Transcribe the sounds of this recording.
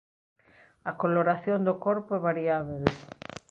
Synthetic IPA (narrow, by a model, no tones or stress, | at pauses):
akoloɾaθjond̪okoɾpoɛβaɾiaβel